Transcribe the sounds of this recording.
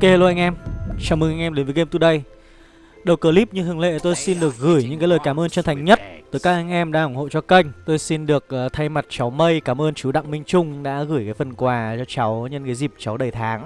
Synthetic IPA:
ke˧e˧˩lo˧˩ʔa˧jŋʔɛ˧mt͡ɕaː˧˩wmɨ˨˧˩ŋʔa˧jŋʔɛ˧mɗe˨˦nvːɣe˧mt̪u˧˩ɗə˧j | ɗə˨˩wkəː˧˩li˦˥p̚ɲɨ˧ŋt̪ɨ˨˩əŋlḛ˧˨t̪o˧jsi˧nɗɨ˨˩ək̚ɣɨ˧˩jɲɨ̰˧˥ŋkaː˨˦ləː˨˩jkaː˧˩mʔəː˧nt͡ɕə˧nt̪ʰa˨˩jŋ̟ɲə˦˥t̚t̪ɨː˨˧˩jkaː˦˥k̚ʔa˧jŋ̟ʔɛ˧mɗaː˧ʔʊ˧˩ŋ͡mho̰˧˨t͡ɕɔ˧kə˧jŋ̟t̪o˧jsi˧nɗɨ˨˩ək̚ʔːt̪ʰa˧jma˨˩t̚t͡ɕa˨˦wmə˧jkaː˧˩mʔəː˧nt͡ɕu˨˦ɗa̰˧˨ŋmï˧ŋ̟t͡ɕʊ˧ŋ͡mɗa̰ː˧˥ɣɨː˧˩jkaː˨˦jfə˧˩nkwaː˨˩t͡ɕɔ˧t͡ɕa˨˦wɲə˧nkaː˨˦jzi˨˩p̚t͡ɕa˨˦wɗə˨˩jt̪ʰaː˨˦ŋ

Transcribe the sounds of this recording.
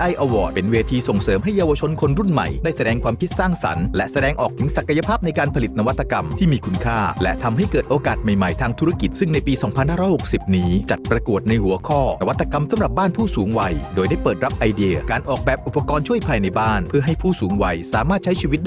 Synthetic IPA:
ʔa˧jʔa˧wɔ̰ː˨˩t̪̚pe˨nweː˧t̪ʰiː˧so˨˩ŋsɤː˨˦mɦa˥˩jːaː˧wa˧t͡ɕʰo˧nkʰo˧nɾu˥˩nma̰˨˩jdaː˥˩jsa˧dɛː˧ŋkʰwaː˧mkʰi˦t̪̚saː˥˩ŋsa̰˩˦nlɛ˦˥sa˧dɛː˧ŋʔɔː˨˩k̚t̪ʰɯ˨˩˦ŋsa˨˩kːa˧ja˧pʰaː˥p̚na˧jkaː˧npʰa˧li˨˩t̪̚na˧wa˦˥t̪ʰːa˧ka˧mt̪ʰiː˥˩miː˧kʰu˧nkʰaː˥˩lɛ̰˦˥ʔt̪ʰa˧mɦa˥˩jkɤː˨˩t̪̚ʔoː˧kaː˨˩t̪̚ma˨˩jma˨˩jt̪ʰaː˧ŋt̪ʰu˦˥ɾa˦˥ki˨˩t̪̚sɯ˥˩ŋna˧jpiː˧sɔː˩˦ŋpʰa˧nhaː˥˩ɾɔː˥jho˨˩k̚si˨˩p̚niː˦˥t͡ɕa˨˩t̪̚pɾa˧ku˨˩ət̪̚na˧jhu˩˦ɐkʰɔː˥˩na˧wa˦t̪ʰːa˧ka˧msa˨˩˦mɾa˨˩p̚baː˥˩npʰuː˥˩suː˨˦ŋwa˧jdoː˧jda˥˩jpɤː˨˩t̪̚ɾa˦˥p̚ʔa˧jdi˧əkaː˧nʔɔː˨˩k̚bɛː˨˩p̚ʔu˨˩pːa˧kɔː˧nt͡ɕʰu˥˩əjpʰaː˧jna˧jbaː˥˩npʰɯ˥˩ɐɦa˥˩pʰuː˥˩suː˩˦ŋwa˧jsaː˩˦maː˥˩t̪̚t͡ɕʰa˦˥jt͡ɕʰiː˧wi˦˥t̪̚da˨

